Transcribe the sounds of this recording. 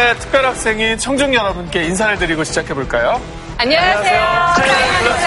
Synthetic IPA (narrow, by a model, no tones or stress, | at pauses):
etʰɯ̥k̚p͈jʌɾɦak̚s͈e̞ŋit͡ɕʰʌŋd͡ʑuŋjʌnʌbɯnk͈e̞ins̬ʰaɾɯɭdɯɾiɡoɕʰid͡ʑakʰe̞boɭk͈ajo | aɲaejo